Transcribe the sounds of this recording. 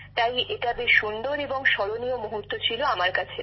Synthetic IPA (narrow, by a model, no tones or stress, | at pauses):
t̪ajʔeʈabeʃund̪oɾeboŋʃɔɾoniomoɦuɾt̪ːot͡ɕʰiloamaɾkat͡ɕʰe